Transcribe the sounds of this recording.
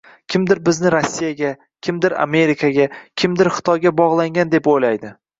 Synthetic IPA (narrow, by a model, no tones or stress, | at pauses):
kʲʰɪmd̪ɪɾbɪznɪɾosʲːijaɡʲa | kʲʰɪmd̪ɪɾa̰me̞ɾikʰaɡʲakʲʰɪmd̪ɪɾχɨ̥t̪ʰɒjɡʲabɒʁlˠaŋɡʲand̪e̞pojlajd̪ɪ